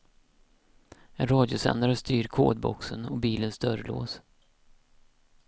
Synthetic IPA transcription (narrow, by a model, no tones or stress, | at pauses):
ɛnɾɑːd̪jʊsɛ̰nd̪aɾəst̪yːɾkʰoːd̪̚bɔ̰ksənɔbiːlənst̪œɾəlo̰ːs